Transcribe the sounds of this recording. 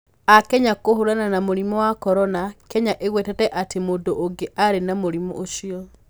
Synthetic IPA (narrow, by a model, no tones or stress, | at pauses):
akɛɲakohoɾananamoɾimɔwakɔɾɔnakɛɲaʔeɣwɛtɛtɛʔatemoːndoʔoŋɡeʔaɾenamoɾimɔ̰ʔoʃiɔ